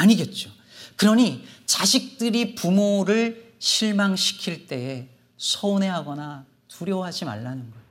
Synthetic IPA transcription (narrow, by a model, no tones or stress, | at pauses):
aɲiɡe̞t̚t͡ɕ͈o | kɯɾʌɲit͡ɕaɕʰik̚t͈ɯɾipumoɾɯɭ | ɕʰiɭmaŋɕʰi̥kʰiɭt͈e̞e | sʰoone̞ɦaɡʌna | tuɾjʌɦad͡ʑima̰ɭːanɯnɡʌ